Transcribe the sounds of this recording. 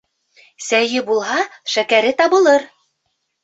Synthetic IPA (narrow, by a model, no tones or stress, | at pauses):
sæjɘbulˠɦɑʃækæɾɘt̪ɑβɤ̆lˠɤɾ